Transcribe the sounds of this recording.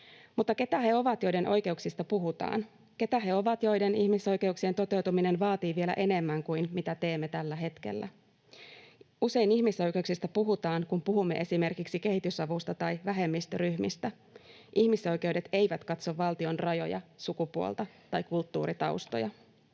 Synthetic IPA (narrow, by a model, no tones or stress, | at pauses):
mut̪ːɑke̞t̪æhe̞o̞ʋɑt̪jo̞jde̞nʔo̞jke̞uksist̪ɑpuɦut̪ɑ̰ːn | ke̞t̪æɦe̞o̞ʋɑt̪jo̞jde̞nihmiso̞jk̟e̞uksie̞nt̪o̞t̪e̞wt̪umine̞nʋɑːt̪iːʋie̞læ̰ʔe̞ne̞mːæŋkuinmit̪æt̪e̞ːmːet̪ælːæɦe̞t̪k̟e̞̰lːæ̰ | use̞iniçmiso̞jke̞uksist̪æpuɦut̪ɑːŋkumpuɦumːe̞ʔe̞sime̞rkiksike̞ɦit̪ysɑʋust̪ɑt̪ɑjʋæɦe̞mːist̪ryhmist̪æ | ʔihmiso̞jk̟e̞uwde̞t̪e̞jʋæt̪kɑt̪so̞ʋːɑlt̪io̞nrɑjo̞̰jɑ̰sukupuo̰lt̪ɑt̪ɑjkult̪ːṵːɾit̪ɑwst̪o̰jɑ̰